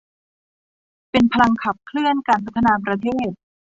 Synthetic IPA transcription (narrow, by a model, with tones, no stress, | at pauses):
pe˧npʰa˧la˧ŋkʰa˨˩p̚kʰlɯ˥˩ənkaː˧nsʰa˦˥t̪ʰːa˧naː˧pɾa˧t̪ʰeː˥˩t̪̚